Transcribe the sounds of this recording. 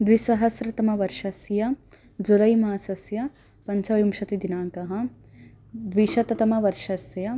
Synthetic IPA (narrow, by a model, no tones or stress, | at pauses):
d̪ʋisɐɦɐsɾɐt̪ɐmɐʋɐɾʃɐsjɐ | d͡ʒulɐjmaːsɐsjɐ | pɐɲt͡ʃɐʋjumʃɐt̪id̪inaːkɐɦɐ̆ | d̪ʋiʃɐt̪ɐt̪ɐmɐʋɐɾʃɐsjɐ